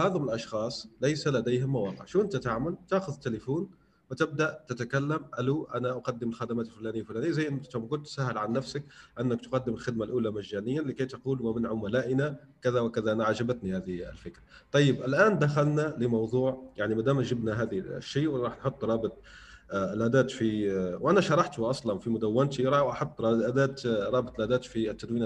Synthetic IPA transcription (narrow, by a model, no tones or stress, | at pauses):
haːðʊmɪlʔɑʃxɑːsˤlajsalad̪ejhɪmːawɑːqɪʕʃuːʔɪnt̪at̪aʕmalt̪aːxʊðɪt̪ːɪlɪfuːn | wɪt̪ɪb̚d̪aʔt̪ɪt̪akalːamʔaluʔanaʔaqɑd̪ːɪmɪlxad̪amaːt̪ɪlfʊlaːnɪjːalfʊlaːnɪjːazajːnt̪ʊmɡʊlt̪ːsaɦːɪlʕanːafsak̚ʔɪnːɪkt̪qɑd̪ːɪmɪlxɪd̪̚malʔuːlamaʒːaːnɪjːanlːɪkajt̪aquːlwamɪnʕʊmalaːʔɪna | kaðawkaðanaʕaʒabæt̪nihæːðḭlfɪkɾa | t̪ˤɑjːəbʔɪlʔæːnd̪axalnaləmɑwðˤuːʕjaʕnimæd̪æːmʒɪbnaɦæːd̪̰ʃːiːʔwɾˤɑːħnħot̪ˤːɾˤɑːbət̪ˤ | lʔæd̪æːt̪fiwʔænaʃɑɾˤɑħt̪wʔɑsˤlɑnfimʊd̪awːɪnt̪iɾˤɑwʔɑħot̪ˤːɑʔæd̪æːt̪ɾˤɑːbət̪ˤlʔæːd̪æːt̪fit̪ːad̪wiːn